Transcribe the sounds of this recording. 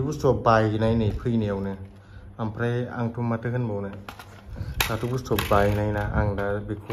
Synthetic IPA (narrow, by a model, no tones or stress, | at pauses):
ubustɔp̚bajnajnɯpʰɯjnijawnɯ | ampʰɾaja̰ŋtʰumatɯɡɯnbawnɯ | katubustɔp̚bajnajnaʔaŋdabikʰu